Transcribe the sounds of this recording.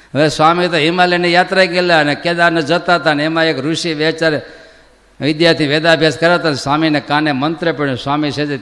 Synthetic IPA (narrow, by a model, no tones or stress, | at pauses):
əʋesʋamit̪oɦimalenejat̪ɾaikelaəneked̪aɾnəd͡ʒət̪aɦət̪aneemãekɾuʃiʋɛt͡ʃaɾ | ʋɪd̪jaɾt̪ʰiʋed̪abʱjaskəɾat̪ansaminekanemənt̪ɾəpəɽusʋamiʃed͡ʒe